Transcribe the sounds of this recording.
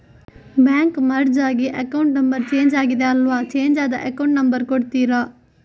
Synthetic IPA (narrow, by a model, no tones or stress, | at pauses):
bjaːŋkmɐɾɽd͡ʒaːɡiʔɐkɐwɳʈnɐmbɐɾt͡ʃe̞ːɲd͡ʒaːɡid̪eɐlʋat͡ʃeːɲd͡ʒaːd̪ɐ̰ʔekɐwɳʈnɐmbɐɾkoɽt̪iːɾa